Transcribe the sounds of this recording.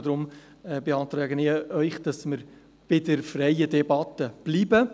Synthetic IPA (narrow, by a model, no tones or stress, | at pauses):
d̪ɾʊm | ɛːbeɑːt̪ɾɛːɡənɪœʏχd̥ɑsməɾ | b̥ɪdəɾfrɛjədɛbɑt̪əb̥liːbə